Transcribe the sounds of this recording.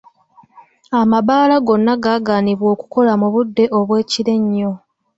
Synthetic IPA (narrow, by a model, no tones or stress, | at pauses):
amaβaːlaɡo̞nːaɡaːɡaːniβwo̞ːku̥ko̞lamuβudːe̞ʔo̞βwe̞ːciɾe̞ɲːo̞